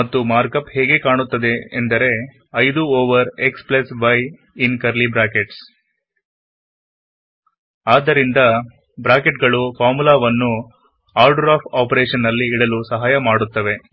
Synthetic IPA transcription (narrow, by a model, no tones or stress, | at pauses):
ɐt̪ːumaːɾkɐphɛːɡe̞kaːɳut̪ːɐd̪e̞̰ːnd̪ɐɾe̞ | ɐjd̪uoːʋɐɾe̞ksplɐsbɐj | inkɐɾlibɾaːkeʈs | aːd̪ɐɾind̪ɐ | bɾaːkeʈɡɐɭupaːmulaːʋɐnːu | aːɾɖɐɾaːpʰaːpɾeːʂɐnːɐlːiːɽɐlusɐɦaːjɐmaːɽut̪ːɐʋe̞